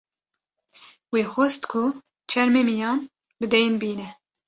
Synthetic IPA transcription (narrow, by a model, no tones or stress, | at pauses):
weːxʷost̪kʰʊ | t͡ʃʰɛɾmeːmijɑːn | bɨd̪ɛjɪnbiːnɛ